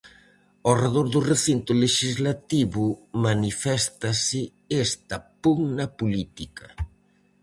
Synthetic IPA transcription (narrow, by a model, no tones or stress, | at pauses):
oreðoɾðʊreθint̪ʊleʃizlat̪iβʊmanifɛst̪asɪ | est̪ɐpuŋnɐpulit̪ikɐ